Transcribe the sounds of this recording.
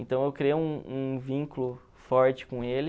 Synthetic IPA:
ẽnt̪ɐ̃w̃ewkɾiũũvĩŋkulʊ | fɔɾt͡ʃɪ̥kõelɪ

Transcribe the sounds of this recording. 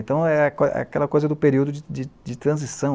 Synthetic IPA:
nt̪ɐ̃w̃ɛɐkoɛ̰akɛ̰lɐkojzɐd̪ʊpeɾiwd̪ʊd͡ʒɪd͡ʒɪd͡ʒɪt̪ɾɐ̃zisɐ̃w̃

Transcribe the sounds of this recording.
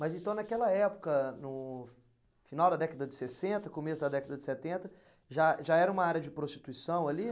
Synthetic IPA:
mɐzẽnt̪ɐ̃w̃nakɛlɐɛpʊ̥kɐnʊ | finawd̪ɐd̪ɛkɐd̪ɐd͡ʒɪsesẽnt̪ɐkomesʊd̪ɐd̪ɛkɐd̪ɐd͡ʒɪsɛt̪ẽnt̪ɐ | ʒaʒaɛɾɐũmɐaɾjɐd͡ʒɪpɾoʃt͡ʃi̥t̪uisɐ̃w̃ɐli

